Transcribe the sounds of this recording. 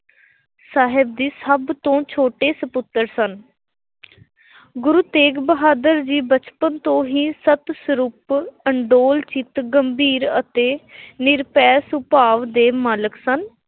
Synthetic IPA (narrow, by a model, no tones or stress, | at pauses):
saːɦɪb̚d̪iːsəbt̪õːt͡ʃʰoːʈeːsəpʊt̪ːəɾsən | ɡʊɾuːt̪eːɡbəɦaːd̪əɾd͡ʒiːbət͡ʃpənt̪õːɦiːsət̪səɾuːpəɳɖoːlt͡ʃɪt̪ɡəmbʱiːɾət̪eːnɪɾpɛːsʊpaːʋd̪eːmaːləksən